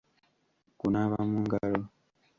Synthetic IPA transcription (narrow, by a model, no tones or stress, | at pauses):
kunaβamuŋɡalo